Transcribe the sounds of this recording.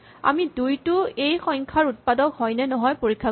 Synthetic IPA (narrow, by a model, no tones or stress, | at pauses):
a̰midujtʊejxɔjŋkʰaɹut̚padɔkɦɔjnɛnɔɦɔjpoɹikʰːa